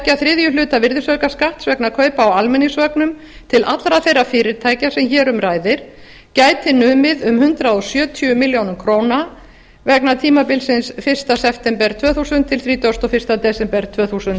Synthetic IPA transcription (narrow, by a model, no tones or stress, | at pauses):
caθɾɪːðjʏlʏːt̪avɪɾðɪsvœɥkaskaht̪svɛknakʰœːɥpaawalmɛnːɪsvœknʏm | t̪ʰɪlʔat̪lɾaθejrːafɪːɾɪɾt̪ʰaːjcasɛmçɛːɾʏmɾaːjðɪɾ̥ | caːjt̪ɪnʏːmɪðʏmhʏnt̪ɾaðɔsjœːt̪ʰʏʏmɪljownʏmkʰɾoːwna | vɛknat̪ʰiːmapɪlsɪnsfɪr̥st̪asɛft̪ɛmpɛɾt̪ʰvœːθusʏnt̪ʰːɪlθɾiːt̪ast̪ɔfɪr̥st̪at̪ɛsɛmpɛɾ̥t̪ʰv̥œːθusʏnt̪